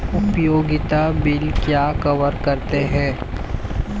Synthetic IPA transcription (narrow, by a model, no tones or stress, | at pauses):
ʊpjoːɡɪt̪abɪlkjaːkɐʋəɾkɐɾt̪eɦɛ̃ː